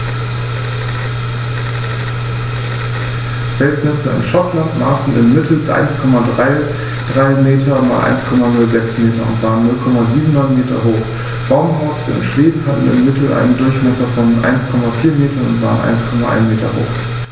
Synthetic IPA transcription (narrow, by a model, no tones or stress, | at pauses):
fɛlsmɛsɐɪ̰mʃɔtlantma̰ːsn̩ɪ̰mːɪtʰl̩ʔa̰ɪnskʰɔmadʁaɪ | d̥ʁaɪmeːtʰɐma̰ːlʔa̰ɪnskʰɔmanʊlzɛksmeːtɐʊ̰ntv̥aːʁənːʊlkʰɔmaziːbm̩nɔʏnmeːtɐ̰ɦoːχ | b̥aʊmhɔʊsəɪ̰nʃv̥eːbm̩hatn̩ɪ̰mːɪtʰl̩ʔa̰ɪnəndʊɐçmɛsɐfɔnʔa̰ɪnskʰɔmafiːɐmeːtɐnʊ̰ntv̥a̰ːʁənʔa̰ɪnskʰɔmaʔa̰ɪnmeːtɐ̰ho̰ːχ